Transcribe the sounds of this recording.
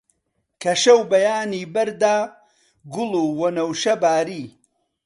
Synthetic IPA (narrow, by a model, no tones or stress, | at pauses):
kʰɐʃɐwbɐjaːniːbɐɾd̪aː | ɡʊluːwɐnɐwʃɐbaːɾiː